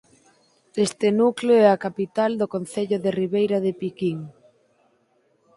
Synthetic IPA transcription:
est̪enukloɛakapit̪ald̪okon̟θeʎʊðeriβejɾɐðepikiŋ

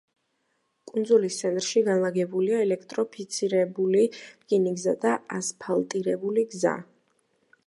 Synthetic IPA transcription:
kʼund̪zulist̪sʰɛnt̪ʼɾʃiɡanlˠaɡɛbuliaɛlɛkʰt̪ʼɾɔpʰit̪sʰiɾɛbulikʼiniɡzad̪aaspʰalˠt̪ʼiɾɛbuliɡza̰

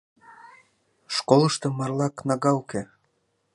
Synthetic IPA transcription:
ʃkoləʃt̪ɤ̆mɑrlɑknɑɣɑwke

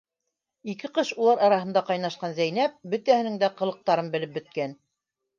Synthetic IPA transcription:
ikɘqɤʃulˠɑɾɑɾɑɦɤ̆nd̪ɑqɑjnɑʃqɑnzæjnæp̚bɵ̆t̪æhɘ̆nɘŋd̪æqɤ̆lˠɤ̆q̚t̪ɑɾɤnbɘ̆lɘp̚bɵ̆t̪̚kæn

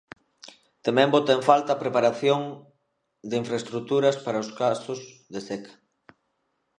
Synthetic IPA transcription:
t̪emɛ̃mbot̪aeɱfalt̪ɐpɾepaɾaθjoŋ | d̪eiɱfɾaest̪ɾut̪uɾɐspaɾɐoskasʊs | ðesekʰɐ̥

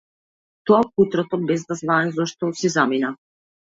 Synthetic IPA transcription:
t̪ɔakut̪ɾɔt̪ɔbɛzd̪azvaɛzɔʃt̪ɔsizamina

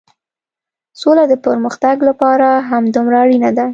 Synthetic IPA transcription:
solad̪əpəɾməxt̪aɡlapɑɾaɦamd̪umɾaɽinad̪a

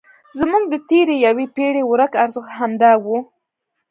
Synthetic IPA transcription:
zamuɡ̚d̪ət̪eɾejawepeɽewɾəkaɾzəxt̪ɦamd̪ɑwu

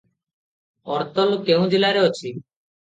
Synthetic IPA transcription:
ɔɾt̪ɔlkeũd͡ʒelaɾeɔt͡ʃʰi

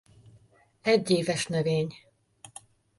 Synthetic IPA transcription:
ɛɟːeːvɛʃnøveːɲ

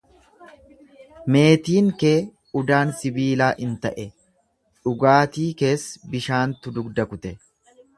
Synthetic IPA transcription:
me̞ːt̪iːŋke̞ː | ʊd̪aːnsɪbiːlaːʔɪnt̪ɐʔɛ | ᶑʊɡaːt̪iːke̞ːsbɪʃaːnt̪ʊd̪ʊɡd̪ɐkʊt̪ɛ

